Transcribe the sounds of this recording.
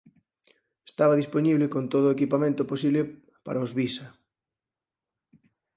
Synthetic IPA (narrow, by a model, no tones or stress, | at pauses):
e̥st̪aβaðisponiβlɪkont̪oðʊoekipamẽnt̪oposiβle | pa̰ɾaozβisa